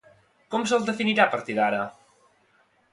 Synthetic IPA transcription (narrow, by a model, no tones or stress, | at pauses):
kɔms̬əlˠd̪əfiniɾapəɾt̪iðaɾə